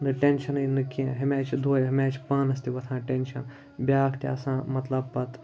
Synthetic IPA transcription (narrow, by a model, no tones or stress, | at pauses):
nɨʈenʃɐnɨjnɨkẽɦɐmʲaːt͡ʃʰd̪ʱoːjɦɐmaːt͡ʃʰʲpɐnɐst̪iʋɐt̪ʰãːʈenʲʃɐn | bʲaːkʰt̪ʲa̰ːsãːmɐt̪lɐbpɐt̪